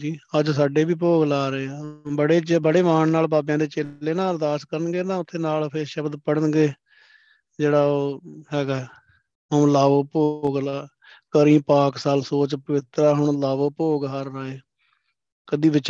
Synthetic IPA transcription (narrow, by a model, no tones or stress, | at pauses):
d͡ʒiːəd͡ʒsaːɖeːbiːp̬oːɡlaːɾeːaːbəɽeːd͡ʒbəɽeːʋaːɳnaːlbaːbjãːd̪eːt͡ʃeːleːnaːld̪aːskəɾənɡeːt̪ãːʊt̪ʰːeːnaːlpʰɪɾʃəbd̪pəɽənɡeː | d͡ʒeːɽaːoːɦɛːɡaː | ɦʊːlaːʋoːpoɡlaː | kəɾĩːpaːksaːlsoːt͡ʃpəʋɪt̪ɾaːɦʊɳlaːʋoːpoːɡɦaːɾːaːeː | kəd̪iːʋɪt͡ʃ